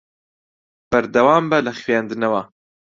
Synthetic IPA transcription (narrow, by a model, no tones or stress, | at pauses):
b̥ɐɾd̪ɐwaːmbɐlɐxwjaːnd̪ɨnɐwɐ